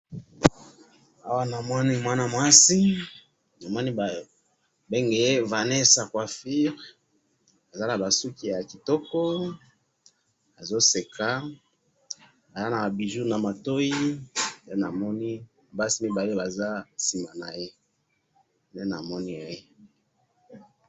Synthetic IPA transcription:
a˦wa˦na˨mɔ˦ni˦mwa˦na˨mwa˦si˦ | na˨mɔ˦ni˦˨ | be˦ŋɡe˨je˦va˨nɛ˦sa˨kwa˨fi˦ʁ | a˨za˦na˨ba˨su˦ki˨ja˨ki˨tɔ˦kɔ˦ | a˨zo˦se˨kʰa˦ | a˨za˦na˨a˨bi˨ʒu˦na˨ma˨to˦i˦nde˦na˨mɔ˦ni˦˨ | ba˦si˦mi˦ba˨li˦ba˨za˦si˨ma˨na˨je˦ | nde˦na̰˨mɔ˦ni˦a˨je˦

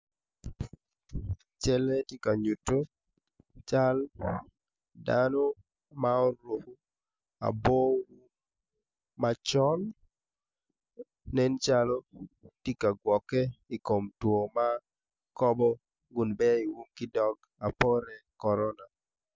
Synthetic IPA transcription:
t͡ʃɛ˦lɛ˦ti˦ka˨ɲu˨to˦ | t͡ʃa˦l | dano˦ | mao˦ɾwo˨hu˦ | a̰˨bo˦wu˦ | mat͡ʃɔ˦n | ɛ˦nt͡ʃalo˦ti˦ka˨ɡwɔ˨kɛ˦i˨ko˨mtwo˨ma˦ | kɔ˦bɔ˦ | ɡʊ˨nbɛ˦i˨wu˦mkɪ˦dɔ˦ɡ | a˨pɔ˦ɾɛ˨kɔ˨ɾɔna˨

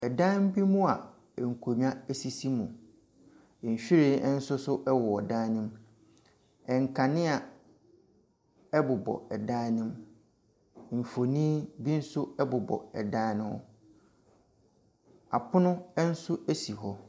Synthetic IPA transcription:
ɛ˨dã˦m˦bi˦mũ˦a˨ | ŋ̩˨kʰo˨mi˦ã˦e˦si˦si˦mũ˨ | ɕᶣi˦ɾe˨ɛ˦n̩˦sʊ˦sʊ˦ʔɛ˦wɔ˨ɔ˨dãː˦nɪ̃˦m | ɛ˨ŋ˨kʰa˨nɪ̃˦a˨ | ɛ˦bʊ˨bɔ̰˨ɛ˨dãː˦nɪ̃˦m˨ | m̩˨fo˨nĩ˦bi˦n̩˦sʊ˦ɛ˦bʊ˨bɔ̰˨ɛ̰˨dãː˦nʊ̃˦ɔ̰˦ | a̰˨pʰʊ˦nʊ̃˦ɛ˦n̩˦sʊ˦æ˦si˨ɦɔ˦

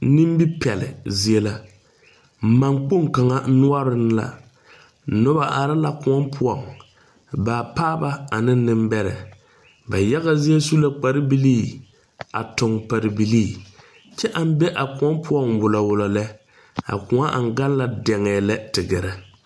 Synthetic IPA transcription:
ni˦m˦bi˦pɛ˨lɪ̰˨zi˦e˦la˦˨ | ma˨ŋk͡po˦ŋka˨ŋa˦nʊ˦ɔ˦ɾɪ˦n˦la̰˨ | nʊ˦ba˨ʔa˨ɾɪ˦la˦kʊ˨ɔ˦mpʰʊ˦ɔ˨ŋ | baː˨paː˦ba˦a˨nɪ˦n˦nɪ˦m˦bɛ˦ɾɛ̰˨ | ba˨jɛ˦ɣa˦zi˦e˦su˦la˦k͡pa˨ɾɪ˦bi˦liː˦˨ | a̰˨tʊ˨ŋpa˨ɾɪ˨bi˨liː˦˨ | t͡ʃɛ˦ʔa˦m˦be˦ʔa˨kʊ˨ɔ˦mpʰʊ˦ɔ˦˨ŋwʊ˨lɔ˨wʊ˨lɔ˨lɛ˦ | a̰˨kʊ˨ŋa˦ʔa̰˨ŋ˨ɡa˦n˦la˦dɛ˨ŋɛː˨lɛ˦tɪ˨ɡɛ˨ɾɛ˨

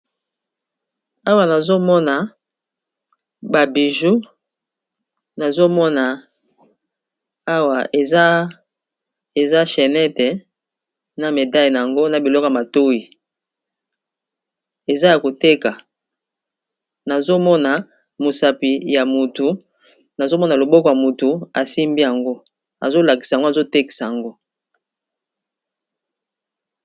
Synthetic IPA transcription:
a˦wa˨na˨zo˦mɔ˦na˨ | ba˨bi˨ʒu˦ | na˨zo˦mɔ˦na˨ | a˦wa˨e˨˦ | e˨za˦ʃɛ˨nɛ˦tɛ˨ | na˨me˨da˦ji˨na˨a˨ŋɡo˦na˨bi˨lɔ˦kɔ˨a˨ma˨to˦i˨ | e˨za˦ja˨ko˨te˦ka˨ | na˨zo˦mɔ˦na˨ | mo˨sa˨pi˨ja˨mu˨tu˨ | na˨zo˦mɔ˦na˨lo˨bɔ˦kɔ˨ja˨mu˨tu˨a˨si˦mbi˦ja˨ŋɡo˦ | a̰˨zo˦la˨ki˨sa˨ŋɡo˦a˨zo˦te˦ki̥˨sa˨a˨ŋɡo˦

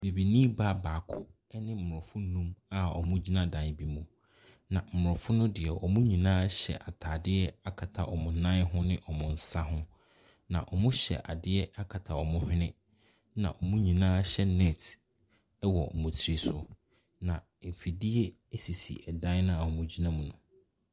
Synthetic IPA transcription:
be˨bi˨nĩː˦ba˦baː˨kʰʊ˦ | ɛ˦nɪ̃˦m̩˨ʊ˨ʊ˨fʊ̃˦nũ˦ma˨ɔ̰˨mʊ̃˦d͡ʑi˦nã˦dã˨bi˨mũ˨ | nã˨m̩˨ʊ˨ɾʊ˨fʊ̃˦nʊ̃˦dɪ˨ɛ˨ɔ˨mũ˦ɲĩ˨nãː˦ɕɛ̰˨ʔa˨tʰaː˨dɪ˦ɛ˦a˦kʰa˨tʰa˨ʔɔ˨mʊ̃˨nã˦ɦʊ̃˦nɪ̃˦ʔɔ˨mʊ̃˨n̩˨˦sa˦hʊ̃˦ | nã̰˨ʔɔ˨mʊ̃˦ɕɛ̰˨ʔa˨dɪ˦ɛ˦a˦kʰa˨tʰa˨ɔ˨mʊ̃˦hᶣɪ̃˦nɪ̃˦ | nã̰˨ʔɔ˨mʊ̃˦ɲĩ˨nãː˦ɕɛ˦nɛ˦˨t | wɔ˨mʊ̃˨tʰɾi˨sʊ˨ | nã˨m̩˨fi˨dɪ˦e˦ | e˦si˨sḭ˨ɛ˨dã˦nʊ̃˦a˨ɔ˨mʊ̃˦d͡ʑi˦nã˦mũ˨nʊ̃˨

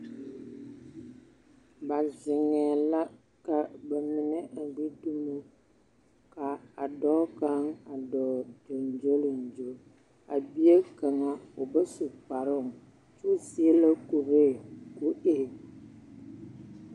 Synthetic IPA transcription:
ba˨zɪ˨ŋɛː˨la˦ | ka˨ba˨mɪ˨nɛ˦ʔa˨ɡ͡bi˦du˦mo˦ | ka˨a˨dɔː˦ka˦ŋa˨dɔː˨du˨n˨d͡ʒo˦lɪ˨n̩˨d͡ʒo˦ | a˨bi˦e˦ka˨ŋa˦ʊ˨ba˦su˨k͡pa˨ɾɪ˦˨ŋ | t͡ʃu˦si˦e˦la˦ku˨ɾe˦˨ku˦ʔe˨

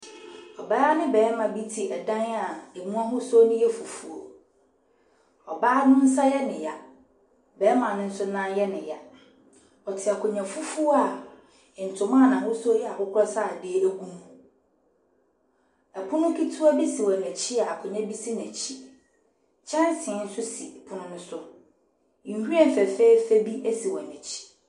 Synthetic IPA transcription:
ɔ˨baː˦nɪ̃˦bɛː˨˦mã˨bi˦tʰi˨ɛ˨dã˦n˦a˨e˨mũ˦ã˦ɦʊ̃˦so˦nɪ̃˦jɛ˦fu˨fu˨o˨ | ɔ˨baː˦nʊ̃˦n̩˦sa˦jɛ˦nɪ̃˨ja˨ | bɛː˨˦mã˨nʊ̃˦n̩˦sʊ˦nã˦njɛ˦nɪ̃˨ja˨ | ɔ˨tʰɪ˨a˨kʰʊ˨ɲɛ̃˨fu˦fu˦o˦a˨ | n̩˨tʰʊ̃˨mã˦˨nã˨wʊ˦so˦jɛ˦a˨hʊ˦kʰɔ˦sa˦˨dɪ˦æ˦˨ɡu˦mũ˦ | æ˨pʰʊ˦nʊ̃˦kʰi˦tʰu˦a˦bi˦si˨wɛ˨næ˨t͡ɕʰi˦a˨a˨kʰʊ˨ɲɛ̃˦bi˦si˦n˨æ˨t͡ɕʰi˦ | t͡ɕʰɛ̃˦n˦sɪ̃˨ɛ̃˨n̩˦sʊ˦si˨pʰʊ˦nʊ̃˦nʊ̃˦sʊ̃˦˨ | hu˦ɛ˦˨fæ˨fe˦i˦fæ˦bi˦ʔæ˦si˨wɛ˨næ˨t͡ɕʰi̥˦

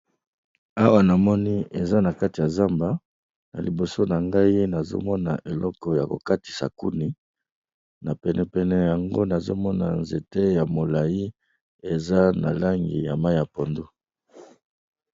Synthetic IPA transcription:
a˦wa˨na˨mɔ˦ni˦e˨za˦na˨ka˦ti˨ja˨za˦mba˨ | na̰˨li˨bo˨so˦na˨ŋɡa˦i˦na˨zo̰˦mɔ˦na̰˨ʔe˨lɔ˦kɔ˨ja˨ko̰˨ka˦ti̥˨sa̰˨ku˦ni˨ | na˨pɛ˨nɛ˨pɛ˨nɛ˨ja˨ŋɡo˦na˨zo̰˦mɔ˦na̰˨nze˨te˦ja˨mo˨la˨ji˦ | e˨za˦na̰˨la˦ŋɡḭ˨ja̰˨ma˦i˦ja˨po˨ndu˦

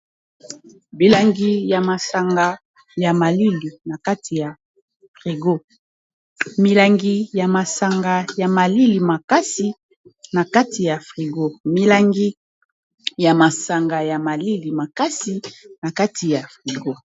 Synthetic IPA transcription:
bi˨la˨ŋɡi˦ja˨ma˨sa˨ŋɡa˨ | ja˨ma˨li˦li˨na˨ka˦tʰi˨ja˨ | fʁi˨ɡo˦ | mi˨la˨ŋɡi˦ja˨ma˨sa˨ŋɡa˨ja˨ma˨li˦li˨ma˨ka˦si˨ | na˨ka˦ti˨ja˨fʁi˨ɡo˦mi˨la˨ŋɡi˦ | ja˨ma˨sa˨ŋɡa˨ja˨ma˨li˦li˨ma˨ka˦si˦na˨ka˦tʰi˨ja˨fʁi˨ɡo˦

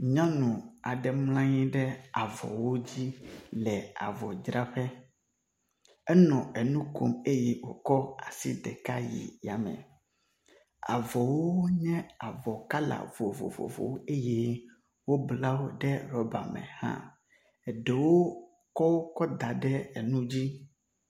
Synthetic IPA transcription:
ɲã˦nũ˨a˨ɖɛ˨mlã˦ɲĩ˦ɖɛ˦a˨vɔ̰˨wo˦d͡ʑi˦lɛ˨a̰˨vɔ˨d͡ʒɾa˦ɸɛ˦ | ɛ˦nɔ̃˨ɛ˨nũ˦ko̰˨me˦jɛ˦wo˨kɔ˦a˨sḭ˦ɖɛ˨ka˦jḭ˨ja˨mɛ̰̃˨ | a̰˨vɔ˨wo˦ɲɛ̃˦a˨vɔ˨ka˦la̰˨vo˨vo̰˨vo̰˨vo̰˨wo˦e˦je˦ | wo˦bla˦wo˦ɖɛ˦ɾɔ˦ba˨mɛ̰̃˨hã̰˦ | ɛ˨ɖɛ˨wo˦ | kɔ˦wo˦kɔ˦d̪a˨ɖɛ˦ɛ˨nũ˦d͡ʑi˦

